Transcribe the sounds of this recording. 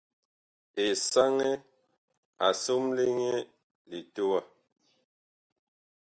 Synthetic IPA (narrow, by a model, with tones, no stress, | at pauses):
e˨sa˦ŋɛ˦ | a˨so˦mle˦ŋe˦ | li˨to˦wa˦˨